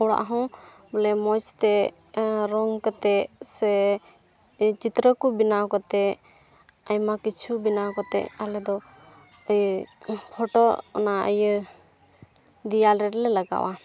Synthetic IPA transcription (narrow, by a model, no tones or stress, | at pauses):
ɔɽa̰ʔɦɔ̃bɔlɛmɔt͡ʃt̪ɛ | ɾɔŋkət̪ɛsɛ | t͡ʃit̪ɾəkubinawkɔt̪ɛ | ajmakit͡ʃʰubinawkɔt̪ɛ̰ʔalɛd̪ɔ | əjpʰɔʈɔ̰naʔə̰j | d̪ijalɾɛɾɛlɛlaɡa̰wa